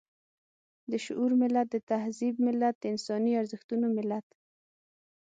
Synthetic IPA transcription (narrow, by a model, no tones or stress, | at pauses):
d̪əʃʊʔuɾmɪlːat̪̚d̪ət̪ahzib̚mɪlːat̪̚d̪əɪnsɑniaɾzəxt̪unomɪlat̪